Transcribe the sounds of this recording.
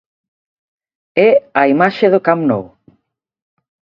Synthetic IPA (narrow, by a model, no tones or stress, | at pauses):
ɛɐimaʃeðʊkamno̰w